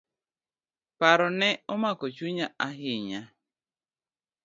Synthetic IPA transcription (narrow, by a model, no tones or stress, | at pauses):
paɾɔnɛɔmakɔt͡ʃuɲaʔaɦɪɲa